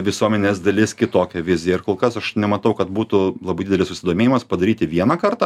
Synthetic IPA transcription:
ʋʲɪsuɔmʲɛnʲeːzd̪ɐlʲɪskʲɪt̪oːkʲɛʋʲɪzʲɪjɛɪɾkoːlˠkɐsɐʃnʲɛmɐt̪ɐʊkɐt̪buːt̪ʊlˠɐbɐɪd̪ʲd̪ʲɛlʲɪsʊsʲɪd̪oːmʲeːjɪmɐspɐd̪ɐɾʲiːt̪ʲɪʋʲiɛnɐkɐrt̪ɑː

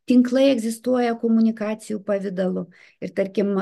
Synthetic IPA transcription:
t̪ʲɪŋklˠɐɪɛɡzʲɪst̪uɔjɛkoːmʊnʲɪkɑːt̪sʲɪjuːpɐʋʲɪd̪ɐlˠʊ | ɪɾt̪ɐɾʲkʲɪm

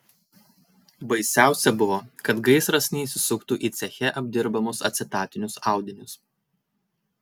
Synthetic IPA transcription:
bɐɪsʲæˑʊsʲɛbʊʋoːkɐt̪ɡɐɪsɾɐsʲnʲiːsʲɪsʊkt̪uʔiːt̪sʲɛxʲɛʔɐbʲd̪ʲɪɾbɐmʊsɐ̰t̪ʲsʲɪt̪ɑːt̪ʲɪnʲʊsɑˑʊd̪ʲɪnʲʊs

